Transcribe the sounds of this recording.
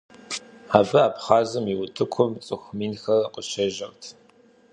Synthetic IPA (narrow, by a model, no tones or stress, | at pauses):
aːvɨaːpχaːzɨmiwʊtʰɨkʷʰʊmt͡sʼɨxʷmiːnxɐrɐqəʃɐʒɐrtʰ